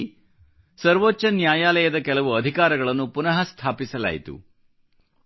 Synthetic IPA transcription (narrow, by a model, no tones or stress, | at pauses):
sɐɾʋoːt͡ʃːɐnjaːjaːlɐjɐd̪ɐkɛlɐʋuɐd̪ʱikaːɾɐɡɐɭɐnːupunɐɦɐst̪ʰaːpisɐla̰ːjit̪ṵ